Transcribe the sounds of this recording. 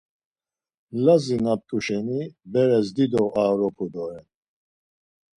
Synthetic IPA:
lazinap̚t̪ʼuʃɛnibɛɾɛzd̪id̪ɔaːɾɔpʰud̪ɔɾɛn

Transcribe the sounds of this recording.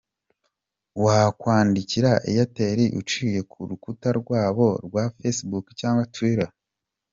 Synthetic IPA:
wakwaːndiciɾaʔejate̞ɾiʔut͡ʃiːje̞kʰuɾukutaɾɡwaːβo̞ɾɡwafesbukcaːŋɡwatwiɾa

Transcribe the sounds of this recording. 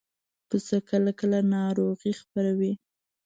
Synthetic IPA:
kəsəkəlakəlanɑɾoɣixpaɾawi

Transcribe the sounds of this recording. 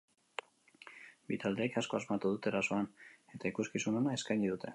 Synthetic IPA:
bit̪ald̪e̞ːkasko̞azmat̪uð̞ut̪eɾaso̞ane̞t̪aikuskisuno̞nae̞skajɲiðut̪ʰe̞̰

